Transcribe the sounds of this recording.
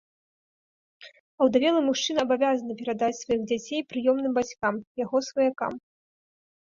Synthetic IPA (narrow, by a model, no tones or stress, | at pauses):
ɐwd̪avʲɛlˠɐmuʂt͡ʂɨnɐɐbavʲazɐnɐpʲɛɾad̪at͡sʲsvajiɣd͡zʲat͡sʲejpɾɨjɔmnɨmbat͡sʲkamjaɣɔsvɐjaka̰m